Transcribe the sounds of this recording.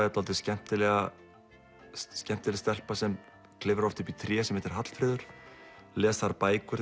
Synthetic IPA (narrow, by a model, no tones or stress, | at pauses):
ɛt̪ɔlt̪ɪscɛm̥t̪ɪlɛɣa | scɛm̥t̪ɪlɪst̪ɛl̥pasɛm | kʰlɪvɾɔft̪ʏpit̪ʰɾjɛːsɛmhɛt̪ɪɾ̥ɦat̪l̥fɾɪːðʏɾ̥lɛːst̪θaɾpaːjkʏɾ